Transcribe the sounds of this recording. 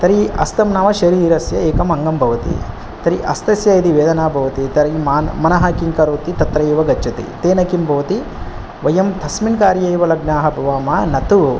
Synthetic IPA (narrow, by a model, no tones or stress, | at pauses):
t̪ɐɾiɐ̰st̪ɐmnaːʋɐʃɐɾiːɾɐsjɐeːkɐmɐŋɡɐmbʱɐʋɐt̪ḭ | t̪ɐɾiʔɐst̪ɐsjɐid̪iʋeːd̪ɐnaːbʱɐʋɐt̪it̪ɐɾimaːnmɐnɐɦɐkiŋkɐɾoːt̪it̪ɐt̪ɾɐjiʋɐɡɐt͡ʃɐt̪ḭt̪eːnɐkimbʱɐʋɐt̪i | ʋɐjɐmt̪ʰɐsminkaːɾjɐjʋɐlɐɡnaːɦɐbʱɐʋaːmɐnɐt̪u